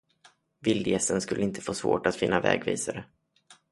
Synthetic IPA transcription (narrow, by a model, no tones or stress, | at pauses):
vɪld̪jɛst̪ənskɵlːəɪnt̪ʰə̥foːsvo̰ːʈat̪fɪnːavɛ̰ːɡviːsaɾə